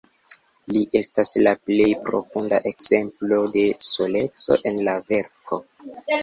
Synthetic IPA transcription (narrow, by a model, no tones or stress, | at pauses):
liʔe̞staslaple̞jpɾo̞̰fundaʔe̞kz̥e̞mplo̞de̞so̞le̞t͡so̞̰ʔe̞nlave̞ɾkʰo̞